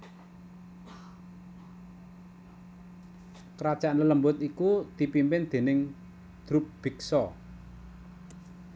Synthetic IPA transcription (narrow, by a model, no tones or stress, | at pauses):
kəɾad̥ʒ̥a̤nlələmbʊt̪ikud̪̥i̤pimpɪnd̪̥e̤nɪŋ | d̪̥ɾup̚b̥i̤ksɔ